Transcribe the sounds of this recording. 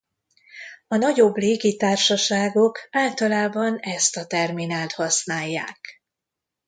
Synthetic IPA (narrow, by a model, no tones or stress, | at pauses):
ɒnɒɟo̞bleːɡit̪aːrʃɒʃaːɡo̞kaːlt̪ɒlaːbɒnɛst̪ɒt̪ɛrminaːlt̪hɒsnaːjːa̰ːk